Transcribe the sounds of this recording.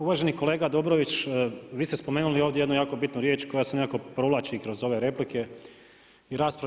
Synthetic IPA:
uʋaːʒe̞niko̞le̞ːɡad̪obɾoʋit͡ʃːʋiːst̪espomeːnulio̞ːʋd̪jeed̪nujaːko̞bit̪nuɾjet͡ʃko̞jasenekako̞pɾolaːt͡ɕikɾo̞zo̞ʋe̞ɾe̞plike̞ | iɾaːspɾa

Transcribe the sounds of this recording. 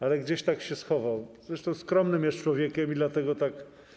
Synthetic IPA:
alɛɡd͡ʑeɕt̪akɕɛsxɔvawzɾɛʂt̪ɔ̃w̃skɾɔmnɘmjɛst͡ʂwɔvʲjɛkʲɛmid̪lat̪ɛɡɔt̪ak

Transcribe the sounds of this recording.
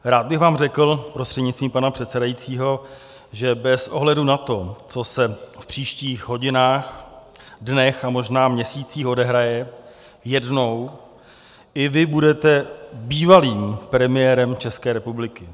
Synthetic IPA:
ɾaːd̪̚bɪxvaːmrɛkl̩pɾo̞st̪r̥ɛdɲɪtt͡st̪viːmpanapr̝̥ɛt̪sɛdajit͡siːɦo̞ | ʒɛbɛsʔo̞̰ɦlɛdunat̪o̞t͡so̞sɛfpr̝̥iːʃciːxɦo̞ɟɪnaːx | dnɛxamo̞ʒnaːmɲɛsiːt͡siːxo̞dɛɦɾajɛ | jɛdno̞w | ʔɪvɪbudɛt̪ɛbiːvaliːmpɾɛmɪjɛːɾɛmt͡ʃɛskɛːɾɛpublɪkɪ

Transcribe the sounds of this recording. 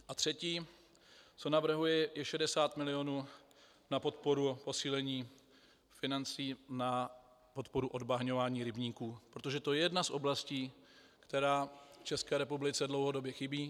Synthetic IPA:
ʔat̪r̝̥ɛciː | t͡so̞navr̩ɦujɛjɛʃɛdɛsaːt̪mɪlɪo̞nuː | napo̞t̪po̞ɾupo̞siːlɛɲiː | fɪnant͡siːna | po̞t̪po̞ɾuʔo̞dbaɦɲo̞vaːɲiːɾɪbɲiːkuːpɾot̪o̞ʒɛt̪ojɛjɛdnasʔo̞blasciː | kt̪ɛɾaːft͡ʃɛskɛːɾɛpublɪt͡sɛdlowɦo̞do̞bjɛxɪbiː

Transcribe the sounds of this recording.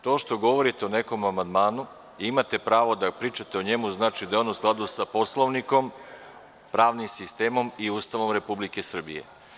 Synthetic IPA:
t̪o̞ːʃt̪o̞ɡo̞ʋo̞ɾit̪e̞one̞ko̞mamand̪maːnu | imat̪e̞pɾaːʋo̞d̪apɾiːt͡ʃat̪eoɲe̞muznaːt͡ʃid̪ajeonusklˠad̪usapo̞slˠoʋniko̞m | pɾaːʋnimsist̪e̞ːmo̞miuːst̪aʋo̞mɾe̞publike̞sr̩bḭje̞̰

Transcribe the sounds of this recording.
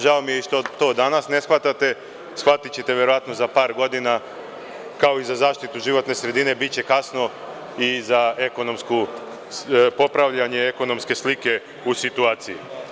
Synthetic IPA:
ʒaomijeʃt̪ot̪o̞ːd̪anasne̞sxʋat̪at̪e̞ | sxʋat̪it͡ɕe̞t̪e̞ʋje̞ɾoat̪no̞zapaːɾɡo̞d̪ina | kao̞izazaːʃt̪it̪uʒiʋo̞t̪ne̞sɾe̞d̪ine̞bitt͡ɕe̞kasno̞ | izae̞ko̞no̞msku | po̞pɾaʋʎaɲe̞eko̞no̞mske̞slike̞ | usit̪uaːt̪sijḭ

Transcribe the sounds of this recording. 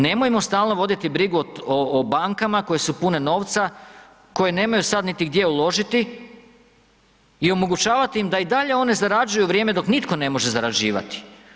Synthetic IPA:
ne̞mojemo̞st̪aːlˠno̞ʋo̞d̪it̪ibɾiɡuoobaŋkamako̞je̞supune̞no̞ːʋt̪sa | ko̞jene̞ːmajusad̪nit̪iɡd̪je̞ulˠo̞ʒit̪i | io̞mo̞ɡut͡ʃaːʋat̪iimd̪aid̪aʎe̞o̞ne̞zaɾad͡ʒujuʋɾje̞ːme̞d̪o̞knit̪ko̞ne̞mo̞ʒe̞zaɾad͡ʒiːʋa̰t̪i̥

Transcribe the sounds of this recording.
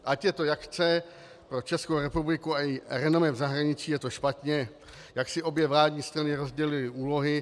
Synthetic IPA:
ʔacjɛt̪o̞jakt͡sɛ | pɾo̞t͡ʃɛskowɾɛpublɪkuaɪɾɛnomɛvzaɦɾaɲɪt͡ʃiːjɛt̪o̞ʃpat̪ɲɛ | jaksɪʔo̞bjɛvlaːdɲiːst̪ɾanɪɾo̞zɟɛlɪlɪuːlo̞ɦɪ

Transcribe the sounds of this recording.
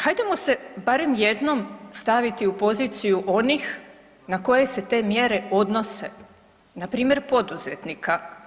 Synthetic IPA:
hajd̪amo̞se̞baɾe̞mje̞d̪no̞mst̪aʋit̪iupo̞zit̪sijuʔo̞nix | nako̞je̞se̞t̪e̞ːmje̞ɾe̞o̞d̪no̞se̞̰ | napɾiːmje̞ɾpo̞d̪uze̞t̪nikʰa

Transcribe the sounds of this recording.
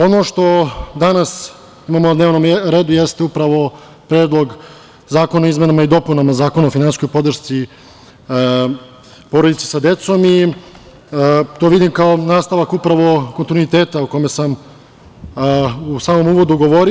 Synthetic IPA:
o̞noʃt̪o̞d̪anas | imamonad̪ne̞ːʋno̞mɾeːd̪ujest̪eupɾaʋo̞ | pɾeːd̪lˠo̞ɡ | zaːkonaoizmenamaid̪o̞punamazaːko̞naofinansisko̞jpo̞d̪r̩ʃt̪si | po̞ɾod̪it̪se̥sad̪et̪so̞mi | t̪o̞ʋid̪imkaonaːst̪aʋakupɾaʋo̞ko̞nt̪inuit̪eːt̪auko̞mesam | usaːmo̞muːʋo̞d̪uɡo̞ʋoɾi

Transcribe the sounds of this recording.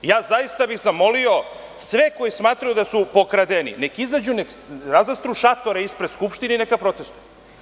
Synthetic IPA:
jaːzajist̪abiɣzamo̞lio̞ | sʋeko̞jismaːt̪ɾajud̪asupo̞kɾad̪enḭnekizlad͡ʑunekɾazast̪ɾuʃat̪o̞ɾeispɾed̪skupʃt̪ininekapɾo̞t̪e̞st̪u̥j

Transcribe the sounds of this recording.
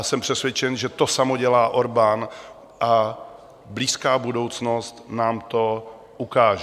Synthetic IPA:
sɛmpr̥ɛsvjɛt͡ʃɛnʒɛt̪o̞samoɟɛlaːʔoɾban | ʔa | bliːskaːbudo̞wt͡sno̞st̪naːmt̪o̞ | ʔukaːʒɛ

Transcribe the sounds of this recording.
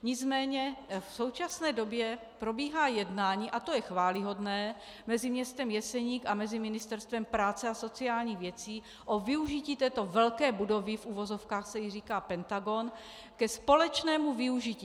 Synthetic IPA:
ɲɪt͡smɛːɲɛfso̞wt͡ʃasnɛːdo̞bjɛ | pɾo̞biːɦaːjɛdnaːɲiːʔat̪o̞jɛxvaːlɪɦo̞dnɛː | mɛzɪmɲɛst̪ɛmjɛsɛɲiːkamɛzɪmɪnɪst̪ɛɾst̪vɛmpɾaːt͡sɛaso̞t͡siaːlɲiːɣvjɛt͡siː | ʔo̞vɪuʒiciːt̪ɛːt̪o̞vɛlkɛːbudo̞vɪfʔuvo̞zo̞fkaːxsɛjiriːkaːpɛnt̪aɡo̞n | kɛspo̞lɛt͡ʃnɛːmuvɪuʒɪciː

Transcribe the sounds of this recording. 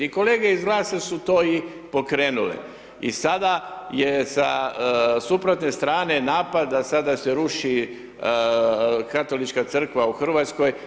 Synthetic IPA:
iko̞leːɡeizɡlaːsesut̪o̞ːi | po̞kɾeːnulḛ | ḭsad̪ajesa | supɾot̪ne̞st̪ɾaːne̞naːpad̪ːasad̪aseɾuʃi | kat̪o̞lit͡ʃkat̪sr̩kʋauxr̩ʋat̪sko̞j

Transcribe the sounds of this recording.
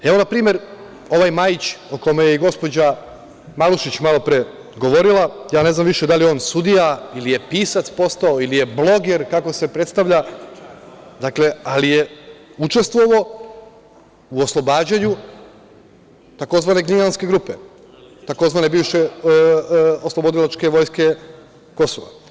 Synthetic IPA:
eo̞napɾiːme̞ɾ | o̞ʋajmajit͡ɕoko̞mejeiɡo̞spo̞d͡ʑa | maluʃit͡ɕmalo̞pɾe | ɡo̞ʋo̞ɾilajaːne̞znamʋiʃed̪alijo̞ːnsud̪ijailije̞piːsat̪spo̞st̪ao̞ilije̞blˠo̞ɡeɾkako̞se̞pɾet̪st̪aʋʎa | d̪akle̞alijeut͡ʃe̞st̪ʋo̞ʋo̞ | uoslˠo̞baːd͡ʑaɲu | t̪ako̞zʋane̞ɡʲinanske̞ɡɾupe | t̪ako̞zʋaːne̞biːʋʃe | oslˠo̞bo̞d̪ilat͡ʃke̞ʋo̞jske̞ | ko̞soʋa̰

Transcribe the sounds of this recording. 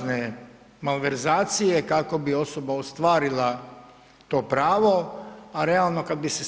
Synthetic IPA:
ne | malʋeɾzaːt̪sijekako̞bio̞sobaost̪ʋaːɾila | t̪o̞ːpɾaːʋo̞aɾealˠno̞kad̪̚bise

